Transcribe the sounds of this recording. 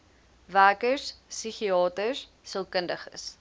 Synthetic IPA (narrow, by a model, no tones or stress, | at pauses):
væːkəssiχiɑːtəs | səlˠkəndəχə̰s